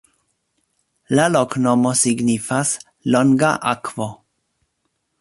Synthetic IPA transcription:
laloknomosiɡnifas | loŋɡaʔakvo

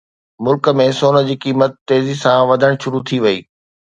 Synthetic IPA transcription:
mʊlkəmẽsoːnə̆d͡ʑiːkiːmət̪ːeːzisãʋɐd̪ʱəɽ̃ʃʊɾut̪ʰiʋɐḭː

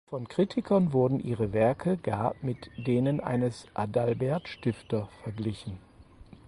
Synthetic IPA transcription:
fɔnkʁ̥itʰɪkʰɐnvʊɐdn̩ʔiːʁəvɛɐkʰəɡaːmɪtd̥eːnənʔa̰ɪnəsʔadalbɛɐtʃtɪftɐfɛɐɡlɪçn̩

